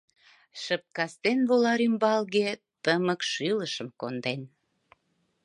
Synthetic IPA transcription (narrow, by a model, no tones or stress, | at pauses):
ʃəp̚kɑst̪enβolɑɾymbɑlɣe | t̪əməkʃyləʃəmkond̪en